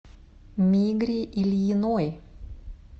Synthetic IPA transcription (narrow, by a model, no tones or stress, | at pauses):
mʲiːɡɾʲiːʔɪlʲjinoj